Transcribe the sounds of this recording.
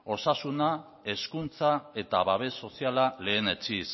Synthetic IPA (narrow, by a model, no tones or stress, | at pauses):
o̞sasuna | e̞skunt͡sae̞t̪aβaβ̞e̞so̞sialale̞ːne̞t͡ʃis